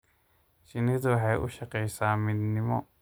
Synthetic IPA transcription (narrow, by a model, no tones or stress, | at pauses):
ʃɪnɪðʊwɑħɑjʔʊ̰ʃɑqɛjsaːmɪd̪nɪmɔ̰